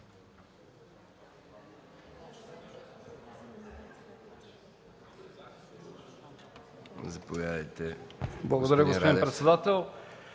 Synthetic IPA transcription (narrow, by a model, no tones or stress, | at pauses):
zɐpovʲjad̪ɐjt̪ɛblˠɐɡod̪ɐɾəɡospod̪inpɾɛt̪sɛd̪at̪ɛlˠ